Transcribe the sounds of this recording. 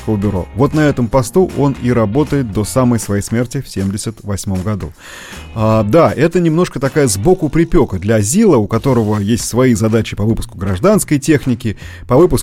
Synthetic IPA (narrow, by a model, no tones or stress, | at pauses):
kəlˠbʲɪɾo̞̰vo̞t̪nɐɛt̪əmpɐst̪uʔo̞niɾɐbo̞t̪əjɪt̪̚d̪o̞saməjsvɐjejsmʲe̞rtʲɪfsʲemdʲɪsʲət̪vɐsʲmo̞mɡɐd̪ṵ | ad̪aʔɛt̪ənʲɪmno̞ʂkət̪ɐkajəzbo̞kʊpɾʲɪpʲo̞kəd̪lʲɐɐzʲilˠəʊkɐt̪o̞ɾəvəjesʲtʲsvɐizɐd̪at͡ɕɪpɐvɨpʊ̥skʊɡɾɐʐd̪anskəjtʲexnʲɪkʲɪ | pɐvɨpʊs